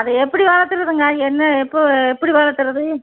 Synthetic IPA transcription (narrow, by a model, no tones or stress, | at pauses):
ɐðɯɛpːɐɽiʋaːlɐt̪ːɯɾɐðɯŋɡɐɛnːɐɛpːoɛpːɐɽiʋaːɭɐt̪ːɯɾɐðɯ